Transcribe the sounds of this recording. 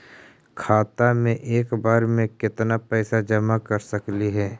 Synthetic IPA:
kʰaːt̪amẽʔeːkbaːɾmẽkɪt̪napɛːsad͡ʒɐmakɐɾsɐkliɦɛː

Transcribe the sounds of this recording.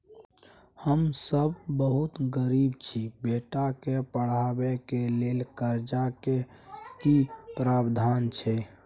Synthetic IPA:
həmsəbːəɦut̪ɡəɾibt͡ʃʰibeʈakepəɽ̤abekelelkəɾd͡ʒakekipɾabd̪ʱant͡ʃʰɛ

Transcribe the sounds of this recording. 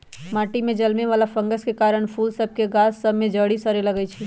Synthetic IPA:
maːʈimẽd͡ʒəlmeʋaːlapʰə̃ŋɡəskekaːɾəɽ̃pʰuːlsəb̚ʱkeɡasːəbmẽd͡ʒəɽisəɾeləɡət͡ʃʰi

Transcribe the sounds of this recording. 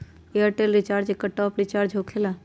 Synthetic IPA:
eəɾʈeːlɾit͡ʃaːɾd͡ʒekːəʈɔːpɾit͡ʃaːɾd͡ʒʱokʰela

